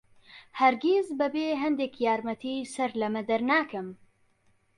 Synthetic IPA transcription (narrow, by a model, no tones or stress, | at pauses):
hɐɾɡʲezbɐbeːɦɐnd̪eːkjaːɾmɐt̪ʰiːsɐɾlɐmɨd̪ɐɾnaːkɨm